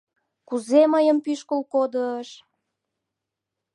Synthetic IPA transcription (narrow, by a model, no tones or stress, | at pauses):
kuzeməjəmpyʃkulkod̪əːʃ